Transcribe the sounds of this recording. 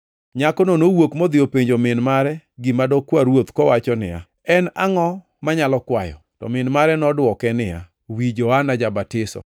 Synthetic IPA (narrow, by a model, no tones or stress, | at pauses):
ɲakɔnonowokmod̪ɪjopeɲd͡ʒomɪnmaɾɛɡimadɔkwaɾwot̪kɔwat͡ʃɔnɪ̰ja̰ | ɛnaŋɔ | maɲalɔkwajɔ̰tɔ̰mɪnmaɾɛnɔdwɔkɛnɪa̰ | wid͡ʒɔanad͡ʒabatɪsɔ̰